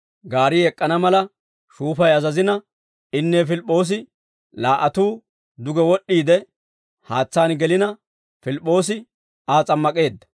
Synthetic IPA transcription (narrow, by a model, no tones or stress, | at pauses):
ɡaːɾiɛkʼːɐnɐmɐlɐ | ʃuːfɐjɐzɐzɪnɐ | ɪnːeːfɪlpʼːo̞ːs̬ɪ | laːʔɐt̪uː | d̪ʊɡɛwɔɗːiːd̪ɛ | haːt͡sːaːnɡɛlɪnɐ | fɪlpʼːo̞ːs̬ɪ | aːt͡sʼɐmːɐkʼe̞ːd̪ːɐ̥